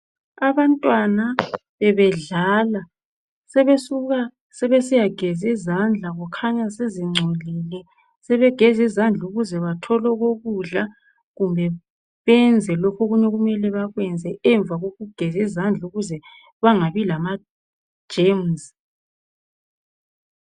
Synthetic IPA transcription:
aβantʼwanaβɛβɛɮala | sɛβesuɣa | sɛβesijaɡ̥ʱɛzizand͡ɮʱaɣukʰaɲaseziŋ͡ǀʱolilɛ | sɛβɛɡ̥ʱɛzizand͡ɮʱuɣuzɛβatʰɔlɔɣoɣuɮa | ɣumbʱɛ | βɛnd͡zʱɛlokʰoɣuɲɛɣumɛlɛβaɣwɛnd͡zʱɛɛɱb̪vʱaɣoɣuɡ̥ʱɛzizand͡ɮʱuɣuzɛ | βaŋaβilamḁ | ʒ̥emz

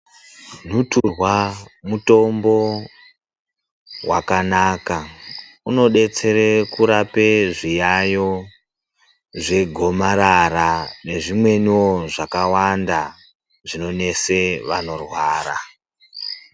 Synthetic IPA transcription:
n̤uturwamuto̞mbo̞ | wa̰kanaːka | uno̞ɗe̞t͡se̞ɾekuɾapeʐijajo̞ | ʐe̞ɡʱo̞maɾaɾane̞ʐimwe̞niwo̞ʐakawanda | ʐino̞ne̞se̞ʋa̰no̞rwaːɾa

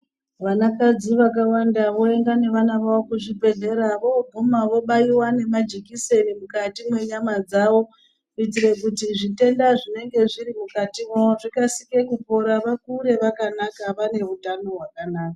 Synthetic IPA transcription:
ʋanakad͡ziʋak̬awandaʋo̞eŋɡane̞ʋanaʋawokuʐibʱe̞ɮe̞ɾaʋo̞bʱumaʋo̞ɓaiwane̞mad͡ʒikise̞nimukatimwe̞ɲamad͡zawo̞ | itiɾe̞k̬utiʐite̞ndaʐine̞ŋɡe̞ʐiɾimukatimoʐikasike̞kupo̞ɾaʋakuɾe̞ʋakanakaʋane̞utano̞ɦwakanaːka

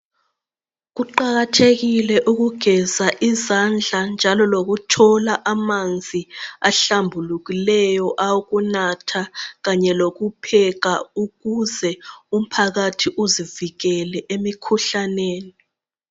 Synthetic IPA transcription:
ɣuǃaɣatʰeɣilɛʔuɣuɡ̥ʱɛzaʔizand͡ɮʱand͡ʒʱalɔloɣutʰɔlaʔamand͡zʱiaɬambʱuluɣilɛjɔʔauɣunatʰaɣaɲɛloɣupʰɛɣauɣuzɛum̩pʰaɣatʰiʔuziviɣɛlɛʔemikʰuɬaneːni

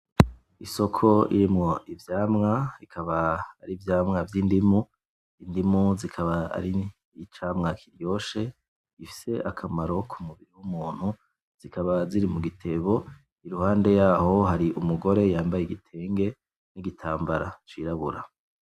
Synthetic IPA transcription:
iso̞kʰo̞ḭɾimŋo̞ʔivjaːmŋaikʰaβaːɾivjaːmŋavjiːndimu | indimuzikʰaβaa̰ɾi | t͡ʃaːmŋakʰiɾjo̞ːʃe̞ | ifi̥se̞ʔakʰamaɾo̞kʰumuβiɾiwumuːn̥hu | z̥ikʰaβaziɾimuɡitʰe̞βo̞ | iɾuhaːnde̞jaːho̞ɦaɾiʔumuɡo̞ɾe̞jaːmbajeɡitʰe̞ːŋɡe̞ | niɡitʰaːmbaɾat͡ʃiɾaβuɾa

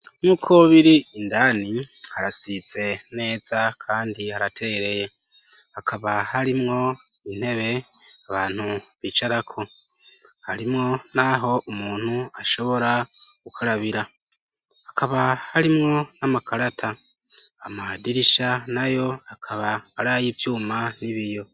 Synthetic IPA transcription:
muːkʰoβiɾiːndani | haɾasit͡se̞ne̞ːzakʰaːndihaɾatʰeeɾe̞je̞ | hakʰaβahaɾimŋo̞ | in̥he̞βe̞aβaːn̥huβit͡ʃaɾakʰo̞ | haɾimŋo̞naɦo̞ʔumuːn̥huaʃo̞βo̞ɾakukʰaɾaβiɾa | hakʰaβahaɾimŋo̞namakʰaɾatʰa | amadiɾiʃanajo̞akʰaβaːɾajivjuːmaniβijo̞

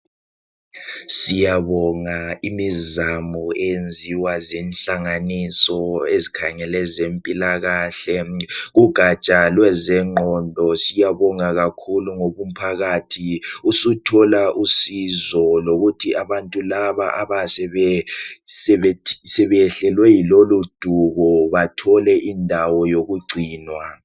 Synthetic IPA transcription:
sijaβɔŋaimizamuɛend͡zʱiwazenɬaŋanisɔezikʰaŋɛlɛzempʼilaɣaːɬɛɣuɡ̥ʱat͡ʃʼalwɛzɛŋ͡ǃʱɔndʱɔsijaβɔŋaɣakʰuluŋoβum̩pʰaɣaːtʰiusutʰɔlaʔusizɔloɣutʰiaβantʼulaβaʔaβasɛβɛsɛβɛ̥sɛβɛɬɛlwɛjilolud̥ʱuβɔβatʰɔlɛʔindʱawɔjoɣuɡ͡ǀʱiːnwa

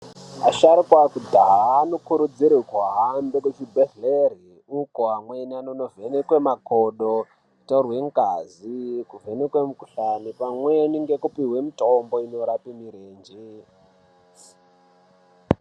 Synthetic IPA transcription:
a̰ʃaɾikwakudʱaɦaːnokuɾud͡ziɾikwaɦambeket͡ʃibʱeɬleri | ukoɦamwenanono̞venekwemakoɗo̥ | torwe̞ŋkazikuvenekwemukuɬanipamweniŋɡe̞kupiɦwe̞mitomboino̞ɾapimiɾeːnd͡ʒi

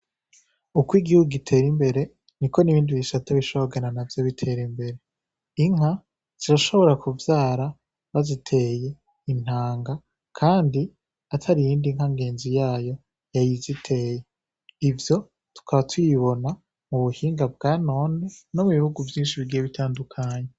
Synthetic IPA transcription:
ukwiɡihuɡuɡitʰe̞ːɾimbe̞ɾe̞ | niko̞niβiːndiβisataβiʃoβoɡenanavjoβitʰe̞ːɾimbe̞ɾe̞ | iŋ̥ha | z̥iɾaʃo̞βo̞ɾakʰuvjaːɾa | βazitʰe̞ːje̞ | in̥haːŋɡa | kʰaːndi | atʰaɾijiːndiŋ̥haŋɡe̞ːnzijaːjo̞ | jajizitʰe̞ːje̞ | ivjo̞ | tu̥kʰaβatwiβo̞na | muβuhiːŋɡabɡaːno̞ːneno̞muβihuɡuvjiːnʃiβiɡijeβitʰaːndukʰaːɲe

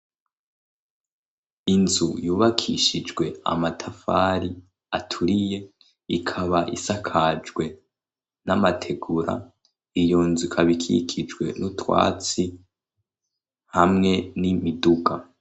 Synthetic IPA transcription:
inzujuːβakʰiʃid͡ʒɡwe̞a̰matʰafaɾi | atʰuɾije̞ | ikʰaβaʔisakʰad͡ʒɡwe̞ | namatʰe̞ɡuɾa̰ | ijonzukʰaβikʰḭkʰid͡ʒwe̞̰nutwa̰ːt͡si | hamŋe̞nimiduɡa

